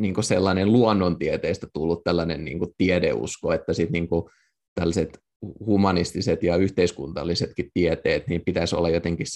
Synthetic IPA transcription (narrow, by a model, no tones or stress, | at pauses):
niːŋkoselːɑnenluɔnːont̪iet̪eːst̪æt̪ulːut̪t̪ːælːɑnennḭːŋkut̪iedḛṵskoet̪ːæsit̪niːŋku | t̪ælːɑset̪ | humɑnist̪iset̪jɑyht̪eiskunt̪ɑ̰lːiset̪kit̪tiet̪eːt̪niːmpit̪æso̰lːɑjot̪eŋkis